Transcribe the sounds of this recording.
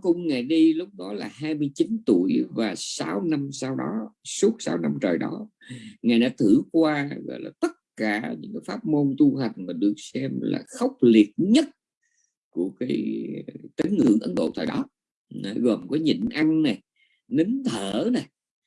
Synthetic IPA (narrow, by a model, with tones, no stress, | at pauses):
kʊ̰˧˥ŋ͡mŋa˨˩jɗi˧lʊ˦˥k͡p̚ɗɔ˨˦laː˨˩haː˧jmɨ˧əjt͡ɕi˨˦nt̪u˧˩əjvaː˨˩saː˨˦wna˧msa˧wɗɔ˨˦su˦˥ət̚sa̰ː˨˦wna˧mt͡ɕəː˨˩jɗɔ˨˦ | ŋaː˨˩jɗa̰ː˧˥t̪ʰɨ˧˩kwaː˧ɣɔ̰˧˨jla̰ː˨˩t̪ə˦˥t̚kaː˧˩ɲɨ̰˧˥ŋkaː˨˦jfaː˦˥p̚mo˧nt̪u˧ɦa˨˩jŋ̟maː˨˩ɗɨ˨˩ək̚sɛ˧mla̰ː˨˩xə˦˥wk͡p̚li˨˩ət̚ɲə˦˥t̚ | ku˧˩əkaː˨˦jt̪i˨˦ŋ̟ŋɨ̰˧˥əŋʔə˨˦nɗo̰˧˨t̪ʰaː˨˩jɗɔ˨˦ | na˧˩ɣɔ˨˩mkɔ˨˦ɲḭ˧˨ŋʔa˧ŋna˨˩j | ni˨˦ŋt̪ʰəː˧˩na˨˩j